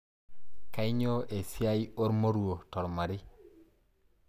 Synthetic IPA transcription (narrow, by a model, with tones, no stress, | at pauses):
ka˦i˦ɲo˦ʔe˨si˦a˦jo˦ɾmo˦ɾu˦wo˨to˨ɾma˨ɾi˦